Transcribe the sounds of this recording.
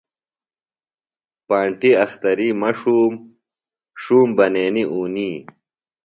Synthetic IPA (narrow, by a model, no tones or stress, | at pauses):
paːɳʈiɐxt̪ɐɾimɐʂuːm | ʂuːmbɐneːniʔuːniː